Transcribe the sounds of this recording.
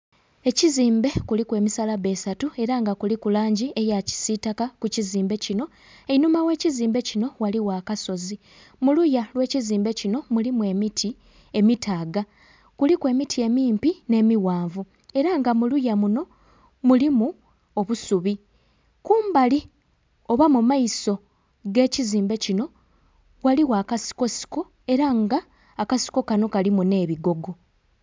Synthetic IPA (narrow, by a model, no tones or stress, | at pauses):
e̞ciziːmbe̞kulikwe̞ːmisalaβe̞satue̞ɾaŋɡakulikulaːɲɟie̞jaci̥sitakakuciziːmbe̞cino̞ | einumawe̞ːciziːmbe̞cino̞waliwakaso̞zi | mulujalwe̞ːciziːmbe̞cino̞mulimue̞mitʰi | e̞mitʰaːɡa | kulikwe̞ːmitʰie̞miːmpine̞ːmiwaːɱvu | e̞ɾaŋɡamulujamuno̞ | mulimu | o̞βusuβi | kuːmbali | o̞βamumaiso̞ | ɡe̞ːciziːmbe̞cino̞ | waliwaːkasi̥ko̞si̥ko | e̞ɾaŋɡaː | kasi̥ko̞kano̞kalimune̞ːβiɡo̞ɡo̞